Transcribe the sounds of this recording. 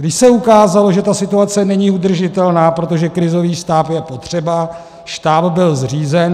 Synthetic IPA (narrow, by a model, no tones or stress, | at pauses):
ɡdɪʃsɛukaːzalo̞ʒɛt̪asɪt̪uat͡sɛnɛɲiud̪r̩ʒɪt̪ɛlnaːpɾo̞t̪o̞ʒɛkɾɪzo̞viːst̪aːpjɛpo̞t̪r̝̥ɛba | ʃt̪aːpbɪlzr̝iːzɛn